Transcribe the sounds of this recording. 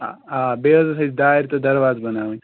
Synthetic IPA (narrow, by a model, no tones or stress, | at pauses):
aaːbeːʋɐzɐsɐd͡ʒd̪aːɦɪɾt̪ɐd̪ɐɾʋaːzbɐnaːʋɐ̃